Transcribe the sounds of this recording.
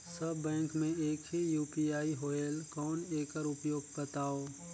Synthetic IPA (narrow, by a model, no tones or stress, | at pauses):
sɐbːɛ̃ːŋkmẽeːkɦijuːpiaːiɦoeːlkɔːneːkəɾʊpjoːɡ̚bət̪aːoː